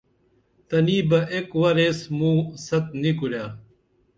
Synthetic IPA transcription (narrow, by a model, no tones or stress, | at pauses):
t̪ɐniːbɐʔekwɐɾeːsmũːsɐt̪̚nikuɾjaː